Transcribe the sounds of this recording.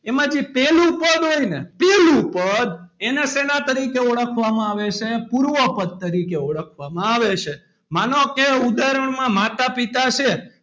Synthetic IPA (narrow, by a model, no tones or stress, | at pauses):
emãd͡ʒipelupəd̪ɦoinepelupəd̪enesenat̪əɾikeɔɭəkʰʋamãaʋet͡ʃʰepuɾʋəpəd̪̚ːəɾikeɔɭəkʰʋamãaʋet͡ʃʰe | manokeud̪aɾəɳmãmat̪apit̪at͡ʃʰe